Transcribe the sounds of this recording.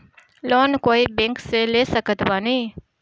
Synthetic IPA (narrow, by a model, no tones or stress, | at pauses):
loːnkoːibẽŋkseleːsəkət̪baːniː